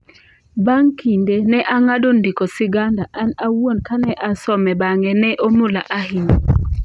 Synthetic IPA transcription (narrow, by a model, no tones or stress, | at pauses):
baŋkindenɛʔaŋadondikosɪɡandaʔanawuonkanɛʔasɔmɛbaŋɛnɛʔomulaʔahin